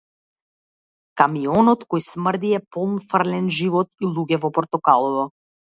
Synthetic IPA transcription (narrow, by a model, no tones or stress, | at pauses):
kamiɔnɔt̪kɔjsmr̩d̪iɛpɔlˠnfrlɛnʒivɔt̪̚ilˠuɡɛvɔpɔɾt̪ɔkalˠɔvɔ